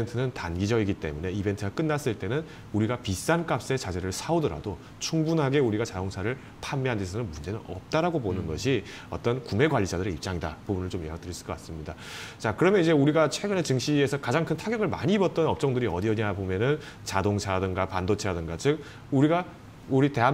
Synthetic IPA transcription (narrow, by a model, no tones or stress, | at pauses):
ientʰɯnɯntanɡid͡ʑʌɡiɡit͈e̞̰mune̞ibe̞ntʰɯɡak͈ɯnːas͈ɯɭt͈e̞nɯn | uɾiɡapis͈ank͈ap̚s͈e̞t͡ɕad͡ʑeɾɯɭsʰaodʌɾa̰do | t͡ɕʰuŋbunɦaɡe̞uɾiɡat͡ɕadoŋsʰaɾɯɭ | pʰammːeandesʰʌnɯnmund͡ʑe̞nɯnʌ̰p̚t͈aɾaɡoponɯnɡʌɕʰi | ʌ̰t͈ʌnkume̞ɡwaʎːid͡ʑadɯɾeip̚t͡ɕ͈aŋidapubunɯɭt͡ɕomjeɦak̚t͈ɯɾisɯ̥k͈ʌk͈ats͈ɯmɲida | t͡ɕakɯɾʌmjʌnid͡ʑe̞uɾiɡat͡ɕʰwe̞ɡɯne̞t͡ɕɯŋɕ͈ie̞sʰʌkad͡ʑaŋkʰɯntʰaɡjʌɡɯɭma̰ɲiːbʌt̚t͈ʌnʌp̚t͡ɕ͈ʌŋdɯɾiʌdiʌɲiabomjʌnɯn | t͡ɕadoŋsʰadɯnɡapandot͡ɕʰeadɯnɡat͡ɕɯk̚ | uɾiɡa | uɾite̞ɦa